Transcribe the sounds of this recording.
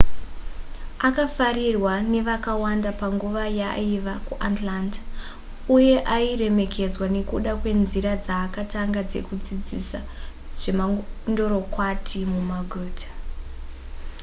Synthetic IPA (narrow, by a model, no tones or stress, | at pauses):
akafarirwane̞ʋakawandapaŋɡuʋajaiʋakuʔatlantḁ | uje̞ʔaire̞me̞kʰe̞d͡zwane̞kuɗakwe̞nziɾad͡zaːkataŋɡad͡ze̞̰kud͡zid͡zisa | ʐ̥emando̞ɾo̞kwatʰimumaɡʱuːtʰḁ